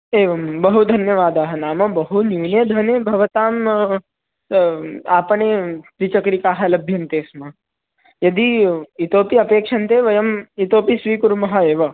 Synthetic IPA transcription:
eːʋɐmbɐɦud̪ʱɐnjɐʋaːd̪aːɦɐnaːmɐbɐɦunjuːneːd̪ʱʋɐneːbʱɐʋɐt̪aːm | aːpɐneːpɾit͡ʃɐkɾikaːɦɐlɐbʱjɐnt̪eːsmɐ | jɐd̪iit̪oːpiɐpeːkʂɐnt̪eːʋɐjɐmit̪oːpisʋiːkuɾmɐɦɐeːʋɐ

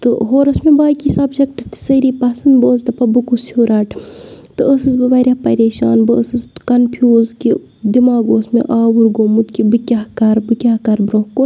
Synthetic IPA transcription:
t̪ɨ̰ɦoːɾɐsmẽbaːkisɐbʃɐk̚ʈɨt̪i̥səɾiːpɐsɐnd̪boːzd̪ɐpɐbɨkusiuɾaːʈʰt̪ɨʔəsɨzbɨʋɐɾʲɐpɐ̰ɾeːʃaːnbɨəsɨzkɐnpʰjuːzki | d̪imaːɡoːsmḛʔaːʋuɾɡoːmut̪kibɨkʲaɦkɐɾbɨkʲaːkɐɾbɾoɦkun

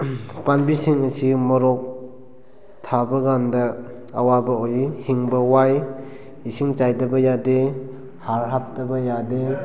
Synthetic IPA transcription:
panbisiŋəsimɔɾɔk̚ | tʰabɐɡandɐː | wabɐojihiŋbɐwaj | isiŋt͡ʃajdɐbɐjade | haɾɦap̚tɐbɐjade

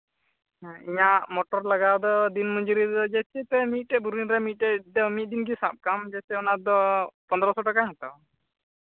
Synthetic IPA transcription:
ãiɲaʔmɔʈɔɾlaɡad̪ɔd̪inmuɲd͡ʒuɾidɔd͡ʒɛsɛt̪ɛmit̪̚ʈɛbuɾinɾɛmit̪̚ːɛd̪ɛmit̪̚d̪inkisap̚kamd͡ʒɛsɛɔnad̪ɔpɔnd̪ɾɔsɔʈakamɛt̪a̰

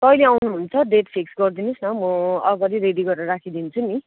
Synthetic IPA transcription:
t̪ʌjleawnuɦunt͡sʰʌɖeʈpʰeksɡʌrd̪inusnʌmʌʌɡʌɾiɾeɖiɡʌɾɾʌɾakʰid̪int͡sʰuni

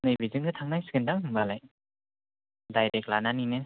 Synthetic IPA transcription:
nɯjbizɯŋɡɯtʰaŋnajsi̥ɡɯndaŋɯŋbalaj | dajɾek̚lananinɯ

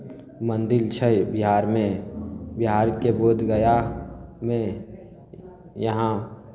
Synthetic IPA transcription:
mə̃nd̪ɪlt͡ʃʰəbɪɦaːɾmẽbɪɦaːɾkeboːd̪ʱɡəjamẽ | jɐɦã

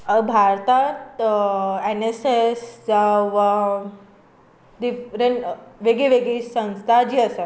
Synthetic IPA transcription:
bʱaɾt̪at̪ | enesesd͡zaʋa | d̪ifɾeɳʋeɡeʋeɡisə̃w̃st̪ʰad͡ʑiːəsə

